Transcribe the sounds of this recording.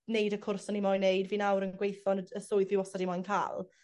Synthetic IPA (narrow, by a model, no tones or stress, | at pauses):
nejdəkʰʊrsɔnimɔjnejdviːnawɾənɡwejθɔnəəsʊɨðviwɔsadimɔjnkʰa̰ːlˠ